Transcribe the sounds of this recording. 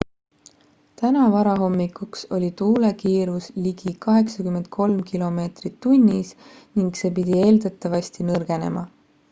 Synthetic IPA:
t̪ænɑvɑɾɑɦo̞mːikukso̞lʲit̪uːle̞kiːɾusliɡ̥ikɑɦe̞ksɑkymːe̞nt̪̚kʰo̞lmkilo̞me̞ːt̪rit̪ːunʲːis | niŋɡse̞ːpid̪̥ʲie̞ːld̪ɑt̪ːˑɑvɑsʲt̪inɤrɡ̥e̞ne̞̰mɑ

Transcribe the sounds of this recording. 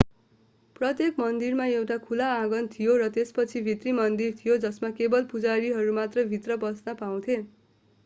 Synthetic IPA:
prʌt̪jekmʌnd̪irmaewʈakʰulaaɡʌnt̪ʰijoɾʌt̪espʌt͡sʰibʱit̪rimʌnd̪irt̪ʰijod͡zʌsmakebʌlpud͡zaɾiɦʌɾumat̪rʌjbʱit̪rʌbʌsnʌpaw̃t̪ʰe

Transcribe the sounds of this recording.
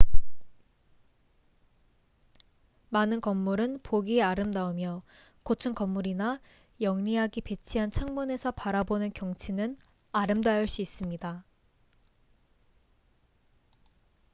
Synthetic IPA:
manɯnkʌmːuɾɯnpoɡieaɾɯmdaomjʌ | kot͡ɕʰɯŋkʌmːuɾina | jʌŋɲiɦaɡipe̞t͡ɕʰiɦant͡ɕʰaŋmune̞sʰʌpaɾabonɯnkjʌŋt͡ɕʰinɯn | aɾɯmdajuɭɕ͈uis͈ɯmɲida

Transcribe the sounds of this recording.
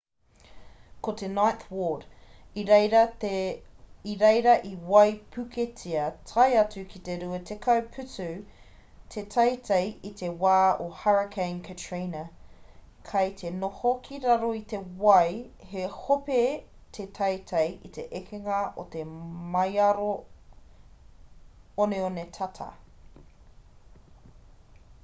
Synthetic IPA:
kʰot̪enajnθwod | iɾejɾɐ | iɾejɾɐʔiwɐjpʰʉkʰet͡sʰiɐtʰɐjɐt͡sʉkʰit̪eɾʉɐtʰekʰɐwpʰʉtʉ | t̪ʰetʰɐjtʰejit̪ʰewaːohaɹɐkʰẽɪnkʰɐtʰɹiːnɐ | kʰɐjt̪ʰenohokʰiɾɐɾoit̪ewɐjhehope | t̪ʰetʰɐjtʰɐjʔit̪eʔekʰeŋɐʔot̪emɐjɐɾo | oneonetʰɐtʰɐ̰

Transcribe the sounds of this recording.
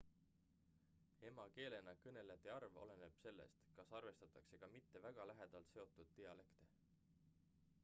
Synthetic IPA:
e̞mɑke̞ːle̞nɑkɤne̞leɑt̪ːˑeɑrvo̞̰le̞ne̞b̥se̞lːḛst̪kɑsɑrve̞st̪ɑt̪ːˑɑkse̞ɡ̥ɑmit̪ːe̞væɡ̥ɑlæɦe̞d̪̥ɑlt̪se̞o̞t̪ːˑud̪̥t̪ːiɑle̞kt̪e

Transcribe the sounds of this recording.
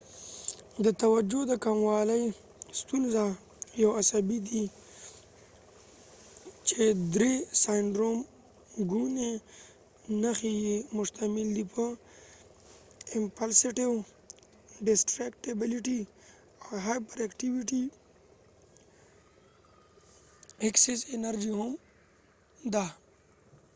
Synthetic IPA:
d̪ət̪awad͡ʒod̪əkamwɑləj | st̪unza | jawasabid̪i | t͡ʃed̪ɾesajɳɖɾom | ɡune | naxejemʊʃt̪amɪld̪ipʰə | impalsiʈiw | ɖisʈɾekʈebiliʈi | aɦajpoɾakʈiwiʈi | eksesenɐɾd͡ʒiɦum | d̪a

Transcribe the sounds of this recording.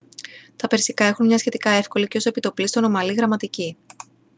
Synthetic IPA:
t̪ɐpe̞ɾsikɐe̞xunmɲɐsçe̞t̪ikɐe̞fko̞liceo̞se̞pit̪o̞plist̪o̞no̞mɐliɣɾɐmɐt̪ici

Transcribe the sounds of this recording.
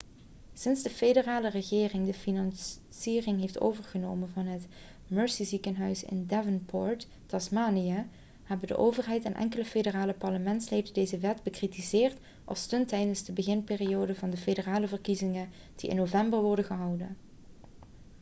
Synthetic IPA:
sɪnzdəfedəraːlərəχɪːrɪŋdəfinɑn | siːrɪŋɦejfto̰wvəɹɣənoːwmənvɑnɦət | møːɹsizikənɦœɥsɪ̰ndɛvənpʰɔɹt | tɑsmaːnijə | hɛbəndə̰ʔowvərɦɛjtɛnʔɛ̰ŋkələfedəraːləpɑɹləmɛntslejdəndejzəʋɛtbəkritizɪːrt | ʔɑ̰lˠstɵntɛjdənzdəbəɣɪnpeːriowdəvɑndəfedəraːləvərkizɪŋən | d̥iɪ̰nːovɛmbərʋɔɹdəɣəɦɑwdə̰n

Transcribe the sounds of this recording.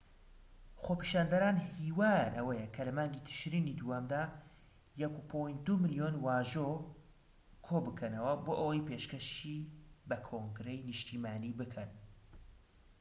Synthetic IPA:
xopiʃaːnd̪ɐɾaːnhiːwaːjanʔɐwɐjɛkʰɐlɐmaːŋɡit̪ʰɨ̥ʃɾinid̪uwamd̪aː | jɛkupʰojnt̪̚d̪umɨlijonwaːʒo | kʰobɨkʰɐnɐwɐboːʔɐwɐjpeʃkɐʃibɐkʰoŋɡɾejnɨʃt̪ʰiːmaːnibɨkʰɐn

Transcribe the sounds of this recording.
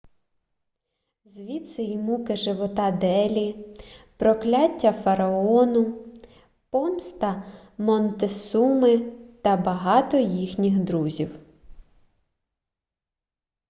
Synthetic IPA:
zʋʲit̪sɛjimukɪʒɪʋɔt̪ɑd̪ɛlʲipɾɔklʲatʲːɐfɐɾɐɔnʊ | pɔmst̪ɐ | mɔnt̪esumɪt̪ɐbɐɦɑt̪ɔjixnʲixd̪ɾuzʲiw

